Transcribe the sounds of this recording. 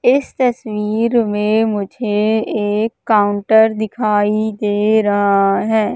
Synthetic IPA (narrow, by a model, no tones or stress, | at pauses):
ɪst̪ɐswiːɾmẽmʊd͡ʒʱeeːkːaːʊ̃ɳʈəɾd̪ɪkʰaːid̪eːɾɐɦaɦɛː